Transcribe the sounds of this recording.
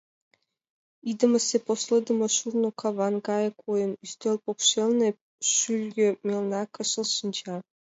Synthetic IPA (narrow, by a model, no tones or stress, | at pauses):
id̪ə̆mə̆seposlˠɤd̪ə̆mɤ̆ʃurnokʰɑβɑnɡɑjɤ̆kʰojə̆nyst̪elʲpokʃelʲˠne | ʃylʲɡʲĕmʲelˠnɑkɤ̆ʃɤ̆lˠʃənt͡ɕɑ